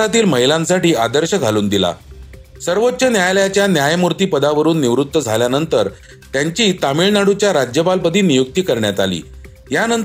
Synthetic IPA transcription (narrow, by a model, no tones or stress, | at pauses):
at̪iːlməɦilãnsaʈiːad̪əɾɕəɡʱaluːnd̪ila̰ | səɾʋot̪ːɕənjajljat͡ɕjanjajmuɾt̪iːpəd̪aʋəɾuːnːiʋɾut̪ːəd͡zʱaljanənt̪əɾ | t̪jaɲt͡ɕiːt̪amiɭnaɽut͡ɕjaɾad͡ʑjəpalpəd̪ʱiːnijuk̚t̪iːkəɾɳjat̪alḭː | janənt̪